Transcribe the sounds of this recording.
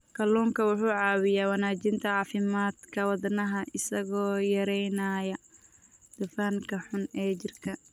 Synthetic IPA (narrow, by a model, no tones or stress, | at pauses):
kʰɐluːŋkʰɐwʊħuːʕɑːwɪjaːwɑnaːt͡ʃɪnt̪ʰɐʕɑːfɪmaːd̪kʰɐwɑdnɐɦɐʔɪsɐɣɔːjɐɾɛjnaːjɐ | d̪̥ʊfaːŋkʰɐħʊnɛːt͡ʃɪrkʰɐ